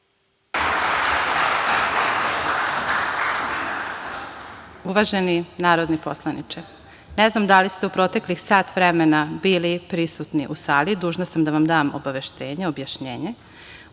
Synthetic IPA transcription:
uʋaʒe̞ninaːɾod̪niposlˠanḭt͡ʃe | neznamd̪alist̪eupɾo̞t̪e̞klixsaːt̪ʋɾemenabiːlipɾisut̪niʔusaːlid̪uːʒnasamd̪aʋamd̪aːmo̰baʋe̞ʃt̪e̞ːɲeo̞bjaʃɲeːɲe

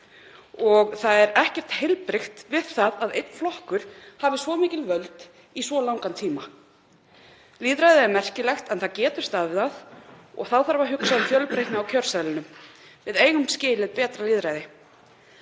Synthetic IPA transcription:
ɔɣθaðɛɾɛhcɛr̥t̪hejlpɾɪxt̪vɪð̥θaðaðejt̪n̥flɔhkʏɾ̥havɪsvɔmiːcɪlvœlt̪ | isvɔlawŋkant̪ʰiːma | liːðɾajðɪɛɾmɛr̥cɪlɛxt̪ɛnθaðcɛːt̪ʏɾ̥st̪aðvɪðaðɔ̰ɣθawθaɾvaɦʏksaðɪfjœlpɾejhknɪawcʰœɾ̥salɪnʏm | vɪðeːjɣʏmscɪːlɪðpɛːt̪ɾaliːðɾaːjðɪ

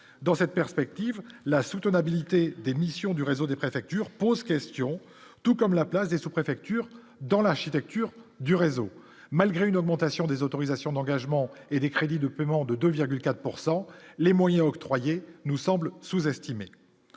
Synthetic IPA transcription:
d̪ɑ̃sɛt̪̚pɛʁspɛk̚t̪ivlasut̪ənabilit̪ed̪emisjɔ̃d̪yʁezod̪epχefɛk̚t̪yʁpozkʲɛst̪jɔ̃ | t̪ukɔmlaplasd̪esupχefɛk̚t̪yʁ | d̪ɑ̃laʁʃit̪ɛk̚t̪yʁd̪yʁezo | malɡʁeynɔɡ̚mɑ̃t̪asjɔ̃d̪ezot̪ɔʁizasjɔ̃d̪ɑ̃ɡaʒmɑ̃ed̪ekχed̪id̪əpemɑ̃d̪əd̪øviʁɡʲylkat̪χpuʁsɑ̃lemwajɛ̃ɔkt̪χwajenusɑ̃blsuzɛst̪ime

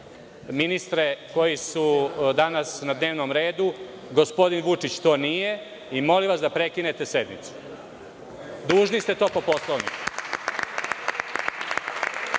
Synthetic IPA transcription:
minist̪ɾeko̞jisud̪anasnad̪ne̞ːʋnomɾe̞ːd̪u | ɡo̞spo̞d̪inʋut͡ʂit͡ɕt̪o̞ːnije | imo̞liʋasd̪apɾekinet̪ese̞d̪mḭt̪su̥ | d̪uːʒnist̪e̞t̪o̞ːpo̞po̞slˠoʋnḭku

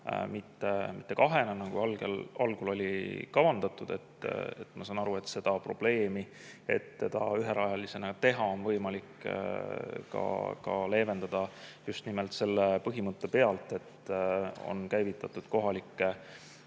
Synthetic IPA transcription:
mit̪ːemit̪ˑːe̞kɑɦe̞nɑnɑɡ̥uɑlɡ̥elɑlɡ̥ulo̞lʲikɑvɑnd̪̥ɑt̪ːˑud̪̥e̞t̪ːḛt̪ːmɑsɑːnɑɾue̞t̪se̞d̪̥ɑpro̞̰b̥le̞ːmi | e̞̰t̪ːe̞d̪̥ɑyɦeɾɑjɑlise̞nɑt̪e̞ɦɑo̞nvɤ̞jmɑlik | kɑ̰kɑ̰le̞ːve̞nd̪̥ɑd̪̥ɑjust̪nimelt̪se̞lːepɤɦimɤt̪ˑːe̞pe̞ɑlt̪ːˑe̞t̪ː | o̞̰nkæjvit̪ːˑɑt̪ːˑud̪̥ko̞ɦɑlikːe

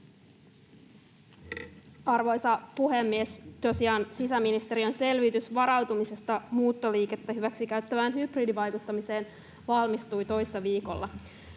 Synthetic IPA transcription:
ɑrʋo̞jsɑpuɦemːiest̪osiɑːnsisæminist̪eɾiø̞nse̞lʋit̪ysʋɑɾɑwt̪umise̞st̪ɑmuːt̪ːoliːke̞t̪ːæɦyʋæksik̟æɥt̪ːæʋæːnɦybridiʋɑjkut̪ːɑmise̞ːn | ʋɑlmist̪ujt̪o̞jsesːɑʋiːko̞̰lːɑ

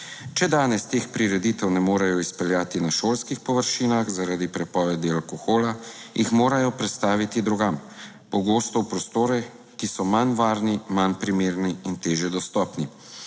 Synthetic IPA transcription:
t͡ʃɛd̪aːnɛst̪eːxpɾiɾɛd̪it̪ɛwnɛmoːɾajɔispɛljaːt̪inaʃoːlskixpɔʋəɾʃiːnaxzaɾaːd̪ipɾɛpɔʋɛd̪ialkɔxoːlajixmoːɾajɔpɾɛt̪st̪aːʋit̪id̪ɾɔɡam | pɔɡoːst̪ɔwpɾɔst̪oːɾɛ | kisɔmanʋaːɾnimanpɾimeːɾniːnt̪eːʒjɛd̪ɔst̪ɔːpni

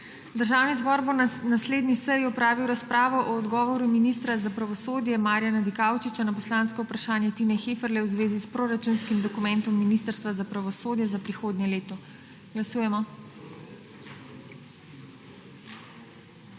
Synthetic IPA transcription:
d̪əɾʒaːwnizbɔɾbɔnasleːd̪nisəjɔpɾaːʋiwɾaspɾaːʋɔʔɔːd̪ɡɔːʋɔɾuminist̪ɾazapɾaʋɔsoːd̪jɛmaːɾjanad̪ikaːwt͡ʃit͡ʃanapɔslãːnskɔupɾaʃaːnjɛt̪iːnɛxeːfəɾlɛwzʋeːzispɾoɾat͡ʃunskimd̪ɔkumɛ̃nt̪ɔmːinist̪əɾst̪ʋazapɾaʋɔsoːd̪jɛzapɾixoːd̪njɛleːt̪ɔ | ɡ̥lasuːjɛmɔ

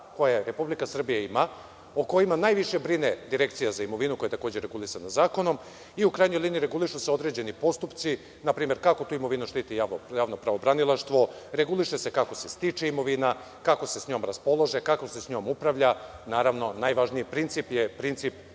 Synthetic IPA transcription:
ko̞jeɾe̞publikasr̩bijaima | oko̞jimanaːjʋiʃe̞bɾined̪iɾe̞kt̪sijazaimo̞ʋinuko̞jet̪ako̞ːd͡ʑeɾe̞ɡulˠisanazaːko̞no̞m | iukɾajɲo̞jliniiɾe̞ɡuliʃuseo̞d̪ɾe̞d͡ʑe̞nipo̞st̪upt̪si | napɾiːme̞ɾkako̞t̪uːimo̞ʋinuʃt̪iːt̪ijaːʋnojaːʋnopɾaʋo̞bɾanilˠaʃt̪ʋo̞ɾe̞ɡuliʃese̞kakose̞st̪it͡ʂe̞imo̞ʋina | kako̞se̞sɲo̞mɾaspo̞lˠo̞ʒekakose̞sɲo̞ːmupɾaʋʎanaːɾaʋno̞najʋaʒnijipɾint̪sipjepɾint̪sip

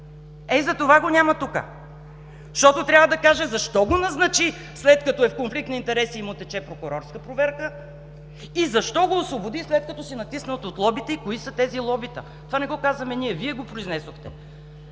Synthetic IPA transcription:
ɛzɐt̪ovaɡonʲamɐt̪ukə̰ | ʃt̪ɔt̪ot̪ɾʲavəd̪ɐkaʒɛzɐʃt̪ɔɡonɐznɐt͡ʃi | slɛt̪̚kɐt̪ɔɛfkonflik̚t̪nɐint̪ɛɾɛsiːmʊt̪ɛt͡ʃɛpɾokʊɾɔɾskəpɾovɛɾkə | izɐʃt̪ɔɡoːsvobod̪islɛt̪̚kɐt̪ɔsinɐt̪isnət̪ot̪lˠɔbit̪ɛikoisət̪ɛzilˠɔbit̪ə̰ | t̪ovanɛɡɔkazvɐmɛniɛviɛɡopɾoiznɛsoxt̪ɛ

